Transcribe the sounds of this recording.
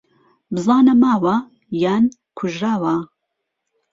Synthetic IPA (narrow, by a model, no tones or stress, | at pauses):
bɨzɑːnɐmaːwɐ | jaːnkʰʊʒɾaːwɐ